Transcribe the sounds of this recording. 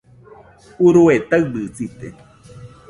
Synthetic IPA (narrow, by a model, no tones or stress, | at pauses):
uɾuet̪awbɨt͡sit̪ḛ